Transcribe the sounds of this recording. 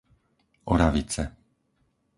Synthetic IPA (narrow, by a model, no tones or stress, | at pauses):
ɔɾaʋit͡sɛ